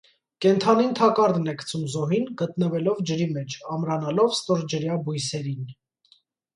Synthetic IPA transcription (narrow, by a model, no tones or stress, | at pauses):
kɛnt̪ʰɑnint̪ʰɑkɑɾd̪nɛkʰt͡sʰumzɔɦinɡət̪̚nəvɛlɔvd͡ʒəɾimɛt͡ʃʰɑmɾɑnɑlɔvst̪ɔɾd͡ʒəɾjɑbujsɛɾin